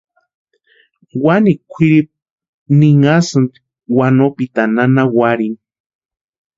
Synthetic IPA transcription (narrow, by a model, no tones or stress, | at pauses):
wanikʷʰiɾip̚ | niŋasɨnt̪i̥ | wanopit̪ananawaɾin